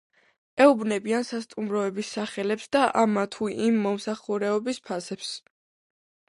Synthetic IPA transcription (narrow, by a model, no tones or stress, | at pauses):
ɛubnɛbiansast̪ʼumɾɔɛbisːaχɛlɛpsd̪aʔamat̪ʰuʔimːɔmsaχuɾɛɔbispʰasɛps